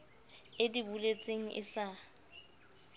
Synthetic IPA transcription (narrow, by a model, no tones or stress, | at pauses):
ɪdibulet͡sʼeŋ̩ʔɪ̰sa